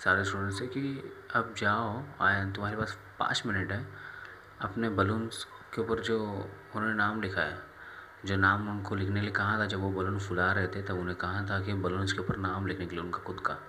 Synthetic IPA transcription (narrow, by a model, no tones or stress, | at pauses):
saːɾesʈuːɖə̃ɳʈsɦɛkiɐb̚d͡ʒaːoaːt̪ʊmaːɾepaːs | pã̰ːt͡ʃmɪnɪʈɦɛː | ɐpnebɐlʊnz | keʊpəɾd͡ʒoːʊnɦoːnenaːmlɪkʰaja | d͡ʒoːnaːmʊnkolɪkʰnekeliekɐɦat̪ʰad͡ʒɐbʋobɐlʊnfʊlaɾɛɦt̪eɦɛt̪ɐbʊnɦẽkɐɦat̪ʰakibɐlʊnzkeʊpəɾnaːmlɪkʰnekeliʊnkaxʊd̪kaː